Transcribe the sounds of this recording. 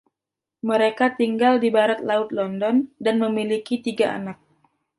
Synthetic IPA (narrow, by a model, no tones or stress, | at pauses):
məɾekat̪iŋɡaldibaɾat̪̚laʊt̪̚lɔndɔndanməmilikit̪iɡaʔa̰nak̚